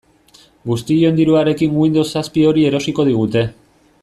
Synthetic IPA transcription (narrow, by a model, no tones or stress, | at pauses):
ɡust̪ijond̪iɾuaɾe̞kiŋɡuind̪o̞saspio̞ɾie̞ɾo̞siko̞ð̞iɣ̞ut̪e̞